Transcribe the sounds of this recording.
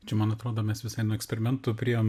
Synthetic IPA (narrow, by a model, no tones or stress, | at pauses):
t͡ʃʲɛmɐnɐt̪ɾoːd̪oːmʲɛsʋʲɪsɐɪnuɔɛksʲpʲɛɾʲɪmʲɛnt̪ʊpʲɾʲiɛ